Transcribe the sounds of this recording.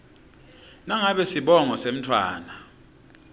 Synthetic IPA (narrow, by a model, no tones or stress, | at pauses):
naŋaɓɛsiɓɔŋɔsem̩tʰwaːna